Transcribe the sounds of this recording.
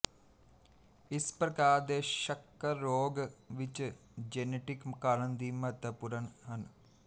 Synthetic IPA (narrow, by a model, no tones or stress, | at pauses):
ispɾɐkaːd̪eːʃɐkːɐɾoːɡɐʋit͡ʃɨ | d͡ʒeneʈikmkɐɳɐnd̪imɐt̪ɐpuɾɐnɦɐn